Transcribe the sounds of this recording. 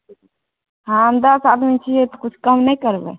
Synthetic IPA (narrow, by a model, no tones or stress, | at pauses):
ɦãənd̪aːsaːd̪mĩt͡ʃʰiet̪okʊt͡ʃʰkɐmnɐɦĩkəɾbḛː